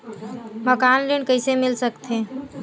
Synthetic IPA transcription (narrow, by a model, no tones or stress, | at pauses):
məkanlenkəɪsemilsəkt̪ʰe